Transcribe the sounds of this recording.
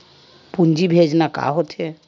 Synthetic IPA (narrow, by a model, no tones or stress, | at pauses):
pund͡ʒibʱed͡ʒnaka̰ɦot̪ʰe